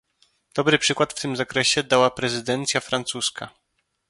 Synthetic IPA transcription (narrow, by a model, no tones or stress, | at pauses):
d̪̥ɔbɾɘpʂɘkwat̪ft̪ɘmzakɾɛɕɛd̪awapɾɛzɘd̪ɛnt̪sʲjafɾant̪suskʰa̰